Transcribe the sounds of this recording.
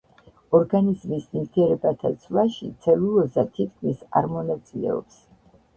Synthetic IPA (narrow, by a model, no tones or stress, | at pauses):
ɔɾɡanizmisnimt̪ʰiɛɾɛbat̪ʰat̪sʰlˠaʃit̪sʰɛlulɔzat̪ʰit̪̚ʰkʰmisa̰ɾmɔnat̪sʼilɛ̰ɔ̰ps